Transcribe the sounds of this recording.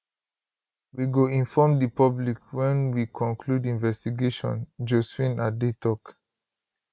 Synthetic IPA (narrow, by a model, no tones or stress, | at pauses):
wiɡoĩnfɔmdipɔblikwɛ̃nwikʰɔ̃nkʰludĩnvɛstiɡeʃɔ̰̃nd͡ʒosfĩnadetʰɔk